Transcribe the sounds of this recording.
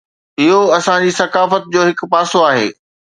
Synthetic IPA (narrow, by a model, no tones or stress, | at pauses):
ɪɦoɐsãd͡ʑiːsɐkaːfət̪̚d͡ʑoːɦɪk̆paːsoaːɦḛː